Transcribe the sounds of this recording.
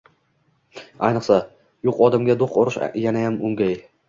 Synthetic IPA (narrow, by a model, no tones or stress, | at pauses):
ajnɨqsa | jʊqɒd̪amɡʲad̪oqɒɾɪʃjanajamʊŋɡʲaj